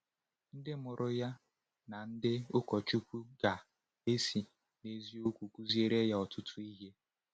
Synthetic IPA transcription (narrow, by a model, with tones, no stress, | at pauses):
n̩˦dɪ˦mʊ˨ɾʔʊ˦ja˦ | na˨n̩˦dɪ˦ʊ˦kɔ˨t͡ʃu˦kʷu˦ɡa˨ | e˦si˨ | ne˨zi˦o˦kʷu˨kʷu˦zi˦e˦ɾe˦ja˦˨ɔ˨tʊ˦tʰʊ˦i˦ɦe˦